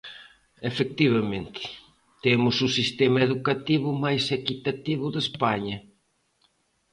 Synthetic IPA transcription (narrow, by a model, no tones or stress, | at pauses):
efek̚t̪iβɐmẽnt̪ɪ̥ | t̪emʊsusist̪emɐeðukat̪iβʊmajsekit̪at̪iβʊðespaɲɐ